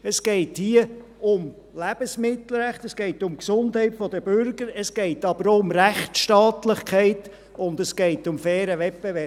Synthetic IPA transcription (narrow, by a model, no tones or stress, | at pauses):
əsɡ̥ɛɪthiə | ʊm | læb̥əsmɪtl̩ɾæχtəsɡ̥ɛɪtʊmksʊndhɛɪtfɔdəb̥ʏɾɡəɾəsɡ̥ɛɪtɑb̥əɾoʊmræχtʃtɑːtlɪχkʰɛɪt | ʊndəsɡ̥ɛɪtʊmfɛːɾəʋɛpbeʋɛ